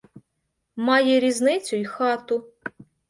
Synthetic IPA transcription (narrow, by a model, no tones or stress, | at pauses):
mɑjɛɾʲiznɪt͡sʲʊjxɑt̪ʊ